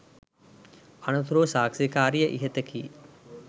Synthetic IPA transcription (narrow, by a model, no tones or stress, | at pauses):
ɐnɐt̪ʰuɾoːsaːksekaːɾijɐʔḭɦɐt̪ɐkʰi